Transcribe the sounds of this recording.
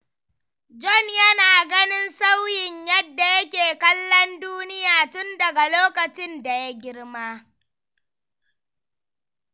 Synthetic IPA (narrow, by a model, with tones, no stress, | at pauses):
d͡ʒɔ˦˨njɐ˦naː˨ɡɐ˦nɪ˦nsa˦wjɪ˨ɲjɐ˦dːa˨jɐ˦kʲeː˨kɐ˦lːɔ˦nduː˦nɪ˦jaː˨tʊ˦ndɐ˨ɡa˨loː˦kɐ˨t͡ʃɪ˦nda˨ja˦ɡʲɪ˦rmaː˦